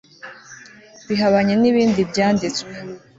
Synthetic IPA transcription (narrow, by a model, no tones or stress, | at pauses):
βiɦaβaɲeniβiːndibjaːndit͡skwe